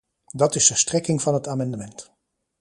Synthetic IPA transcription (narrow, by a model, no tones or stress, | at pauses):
dɑtɪsəstrɛkɪŋvɑnɦətaːmɛndəmɛnt